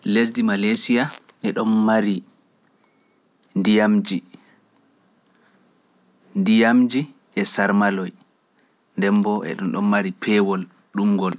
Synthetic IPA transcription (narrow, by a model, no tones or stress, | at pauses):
les̬dimalajsija | ʔɛɗɔnmaɾi | ndijamd͡ʒi | ndijamd͡ʒi | ʔɛsaɾmalɔj | ndɛmbɔʔɛ̰ɗɔnɗɔmːaɾipʰɛwɔl | ɗumɡɔl